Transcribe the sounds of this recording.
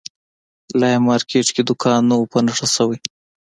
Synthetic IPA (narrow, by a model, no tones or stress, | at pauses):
lɑjmɑɾkʰeʈked̪ʊkʰɑnːowpənaʂasawaj